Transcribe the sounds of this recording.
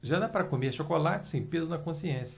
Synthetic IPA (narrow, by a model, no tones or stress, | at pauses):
ʒad̪apaɾɐkomeɾɐʃokolat͡ʃɪ̥sẽj̃pezʊnɐkõsiẽsjɐ